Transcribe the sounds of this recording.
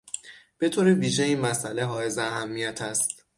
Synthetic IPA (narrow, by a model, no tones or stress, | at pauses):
b̥e̞t̪ʰoːɾiviːʒeiːnmæsʔæle̞ɦɒːe̞zeæɦæmːijæt̪ʰæst̪